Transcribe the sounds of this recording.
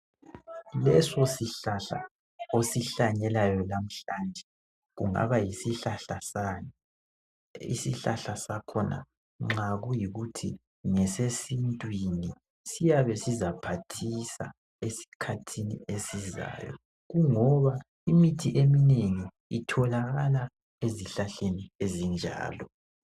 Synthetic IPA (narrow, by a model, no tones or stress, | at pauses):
lɛsɔsiɬaɬa̰ | osiɬaɲɛlajɔlam̩ɬaːnd͡ʒʱɛ | ɣṵŋa̰βajisiɬaɬasanɔ | ḭsiɬaɬasakʰɔnʔa̰ | ŋ͡ǁaɣujiɣutʰi | ŋɛsesintʼwini | sijaβɛsizapʰatʰisa̰ | esi̥kʰatʰinḭesiza̰ːjɔ̰ | ɣuŋɔβa | imitʰiʔemineŋiː | tʰɔlaɣala | eziɬaɬeniezind͡ʒʱa̰ːlɔ